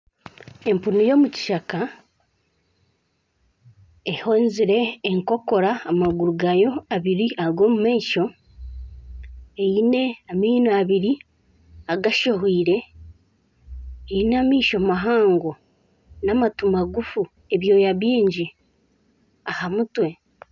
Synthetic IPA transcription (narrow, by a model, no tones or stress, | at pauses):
e̞mpunujo̞ːmuci̥ʃaka | e̞hoːnziɾe̞ːŋko̞ko̞ɾaːmaɡuɾuɡajo̞aβiɾiaɡo̞ːmumaiʃo̞ | ejine̞amiːnaaβiɾi | aɡaʃoɦiːɾe̞ | einamiːʃomaɦaːŋɡo | naːmatumaɡufu | e̞βjo̞ːjaβiːɲɟi | ahamutwe̞